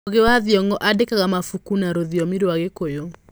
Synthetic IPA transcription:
ɣewaðiɔŋɡɔʔadekaɣamafukunaɾoðiɔmiɾoaɣekojoŋ

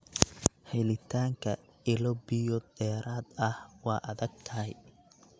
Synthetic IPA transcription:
hɛjlɪt̪ʰaːŋkʰɐ | ɪlɔbɪjɔd̪ɛːɾaːd̪ɐhwɑːʔɐðɐɡ̚t̪ʰɐɦɛj

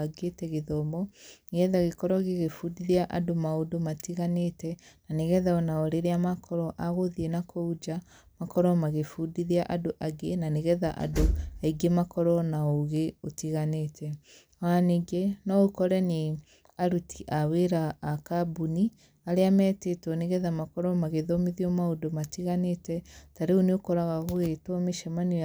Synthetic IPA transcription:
aɡetɛɣeðɔmɔnɣɛðaɣekɔɾɔɣeɣefudiðiaʔadomaodomatiɣanetɛnaneɣɛðaɔnaɔɾeɾeamakʰɔɾɔʔaɣoðienakʰoud͡ʒa | makɔɾɔmaɣefudiðiaʔadoʔaɡenaneɣɛðaʔa̰doaiɡemakɔɾɔnaoɣeotiɣanetʰɛ | waniɡenɔokɔɾɛne | aɾutʰiʔaweɾaːkabuni | aɾeamɛːtetwɔneɣɛðamakɔɾɔmaɣeðɔmiðiomaodomatiɣanetɛtaɾeoneokoɾaɣaɣoɣetwɔmeʃɛmani

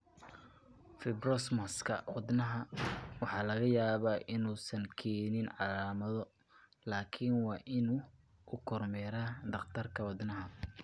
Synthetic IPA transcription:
fɪbrɔsmɐskʰɐwʊd̪nɐɦɐwɑħɑːlɐɣɐjaːβaːʔɪnuːsɐŋkʰɛːnɪnʕɑlaːmɐðɔ | laːkʰɪnwɑːʔɪnuː | ʔʊkʰɔrmɛːɾaːd̪ɐqt̪ʰɐrkʰɐwɑd̪nɐɦɐ

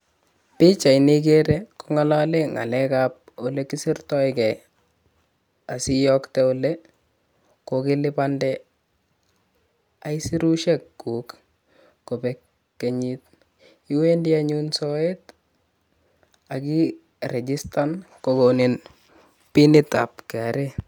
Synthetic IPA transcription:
pɪt͡ʃainik̬eɾekoŋalaleŋa̰lɛkap̚olekɪsɪrtɔɪkɛ | asɪjɔktɛole | kokɪlɪpandɛ | aisiɾuʃɛkːuːk | kopekː | eɲit̚ | iwendiaɲunsɔet | aki | ɾed͡ʒistankokonin | pinɪta̰pkɛaɾe

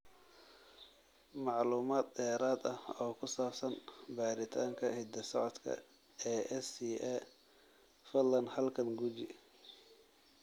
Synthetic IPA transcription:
mɑʕluːmaːd̪̚d̪ɛːɾaːd̪ɐhɔːkʰʊsaːbsɐnbaːɾɪt̪ʰaːŋkʰɐhɪd̪ɐsɔʕɔd̪kʰɐ̰ | ɛːɛsiɛ | fɐlɐnhɐlkʰɐŋɡut͡ʃɪ

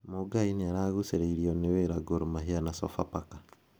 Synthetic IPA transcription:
moɡainiaɾaɣuseɾeiɾiɔneweɾaɡoɾomaɦianasɔ̰fa̰pakḁ

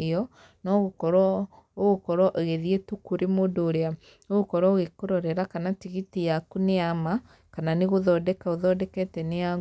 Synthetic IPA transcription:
eɔ | nɔɣokɔɾwɔ | oɣokɔɾwaʔeɣeðietukoɾemodoːɾea | oɣokɔɾwaoɣekoɾɔɾɛɾakanatiɣitijakuneama | kananeɣoðɔdɛkaoðɔdɛkɛtɛnea

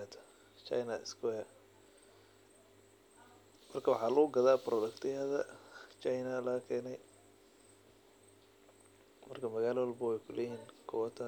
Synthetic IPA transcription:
at̪ʰɐ̥ | t͡ʃɐ̰jnɐɪ̰skʰʊɐ | mɐrkʰɐwɑħɑːlʊɣʊɡɐðaːprɔd̪ɐkt̪ʰɪɐðɐt͡ʃajnɐlɐːkʰɛːnɛj | mɐrkʰɐmɐɣaːlɐwɐlbɐwɛjkʰʊlɛhiːnkʰɔwɐt̪ʰa

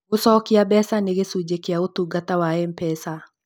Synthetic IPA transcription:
osɔkiabɛsaneɣesud͡ʒekeaotuɡatawaɛm̩pɛsa

